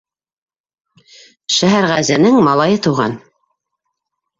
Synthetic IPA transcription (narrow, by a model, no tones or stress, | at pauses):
ʃæɦæɾʁæzɘ̆nɘŋmɑlˠɑjɤt̪uʁɑ̰n